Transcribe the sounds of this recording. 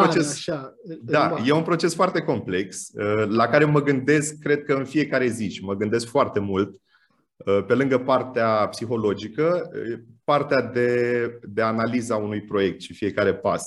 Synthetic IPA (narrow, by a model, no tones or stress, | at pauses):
pot͡ʃes | d̪aje̞unpɾo̞t͡ʃe̞sfoart̪e̞ko̞mple̞ksəlakaɾe̞məɡɨnd̪e̞skːɾe̞d̪̚kəɨnfie̞kaɾe̞ziʃiməɡɨnd̪e̞skfoart̪e̞mult̪ | əpe̞lɨŋɡəpart̪eapsixo̞lo̞d͡ʒikə | part̪ead̪e̞d̪e̞analizaunujpɾo̞je̞k̚t̪ʃifije̞kaɾe̞pa̰s